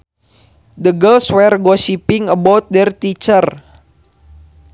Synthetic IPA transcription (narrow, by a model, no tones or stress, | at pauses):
dəɡəlswɛrɡɔʃipiŋəbɔt̪̚dɛrt̪it͡ʃər